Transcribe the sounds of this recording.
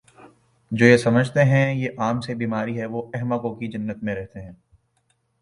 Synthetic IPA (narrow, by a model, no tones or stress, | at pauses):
d͡ʒoːjesɐməd͡ʒʱt̪eɦɛ̃jeʔaːmsebiːmaːɾiɦɛʋoɛɦmakõkid͡ʒɐnːət̪mẽɾɛɦt̪eɦɛ̃ː